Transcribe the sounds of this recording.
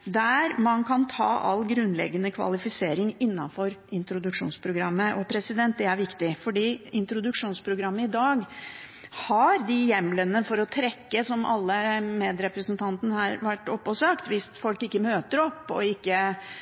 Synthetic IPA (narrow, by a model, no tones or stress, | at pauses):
d̪æɾmɑnkʰɑnt̪ʰɑ̰ːʔɑ̰lːɡɾʉnːlɛ̰ɡːənəkʰʋɑ̰lɪfɪseːɾɪŋɪnːɑnfɔɾɪnt̪ɾʊd̪ʉkʂṵːnspʰɾʊɡɾɑmːəʔɔpʰɾɛsɪd̪ɛnt̪̚d̪ɛæɾʋɪkt̪ɪfɔɖiːɪnt̪ɾʊd̪ʉkʂuːnspʰɾʊɡɾɑmːəɪd̪ɑːɡ | hɑɾd̪ɪjɛmlənəfɔɾɔt̪ʰɾɛkːəsɔmɑ̰lːəmeːd̪ɾɛpɾəsnt̪ʰɑnt̪ənəhɑɾʋæʈːɔpːɔsɑkt̪ʋɪst̪fɔlkɪkːəmøːt̪əɾɔpːɔ̰ɪkːə